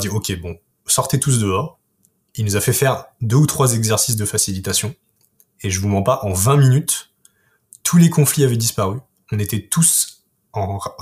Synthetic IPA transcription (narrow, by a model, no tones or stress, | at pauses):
d̪iɔkʲʰebɔ̃ | sɔʁt̪et̪us̬d̪əɔːʁ | ilnuzafɛfɛʁd̪øut̪χwazɛɡzɛʁsis̬d̪əfasilit̪asjɔ̃ | eʒəvumɑ̃paʔɑ̃vɛ̃minyt̪ | ulekɔ̃fliavɛd̪ispaʁy | ɔ̃net̪ɛt̪us | ɑ̃